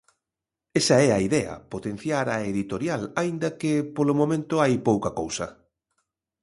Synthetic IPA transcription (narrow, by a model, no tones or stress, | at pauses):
esɐɛɐiðɛɐ̰pot̪en̟θjaɾɐeðit̪oɾjalaind̪ɐkɪpolomõmẽnt̪ʊajpowkɐkowsɐ